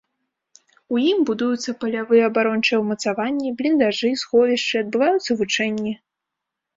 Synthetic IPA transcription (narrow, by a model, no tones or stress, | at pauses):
ujimbud̪ujut̪sːɐpɐlʲavɨjɛɐbaɾɔnt͡ʂɨjɛwmɐt̪savanʲːiblʲind̪aʐɨsxɔvʲiʂt͡ʂɨɐd̪̚bɨvajut̪sːɐvut͡ʂɛnʲːi